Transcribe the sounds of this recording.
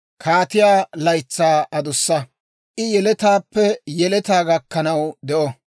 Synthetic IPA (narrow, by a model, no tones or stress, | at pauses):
kʰaːt̪ɪjaːlɐjt͡sːaːɐd̪ʊsːɐ | ʔɪjɛlɛt̪aːpːɛjɛlɛt̪aːɡɐkːɐnɐwd̪ɛʔɔ